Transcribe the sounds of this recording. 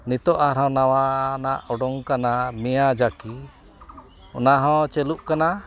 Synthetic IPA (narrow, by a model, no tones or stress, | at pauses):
nit̪ɔʔaɾɔ̃nawanaʔɔɖɔŋkanamijad͡ʒaki | ɔ̰naɦɔ̃t͡ʃɛluʔkana